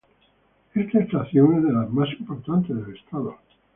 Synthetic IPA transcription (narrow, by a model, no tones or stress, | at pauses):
est̪aest̪aθjoneðelamasimpoɾt̪ant̪eðelest̪aðo